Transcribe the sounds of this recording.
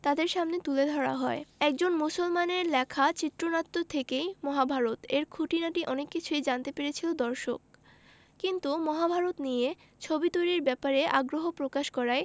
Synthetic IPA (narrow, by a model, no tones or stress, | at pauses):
t̪ad̪eɾʃamnet̪uled̪ʱɔɽa̰ɦɔeɛk̚d͡ʑonmusolmaneɾlɛkʰat͡ɕit̪ːɾonat̪ːot̪ʰekejmɔɦabʱaɾot̪eɾkʰuʈinaʈiʔɔnekːit͡ɕʰuejd͡ʑant̪epeɾet͡ɕʰilod̪ɔɾʃok̚ | kint̪umɔɦabʱaɾot̪nije | t͡ɕʰobit̪ojɾiɾbɛpaɾeʔa̰ɡɾoɦopɾokaʃkɔɾae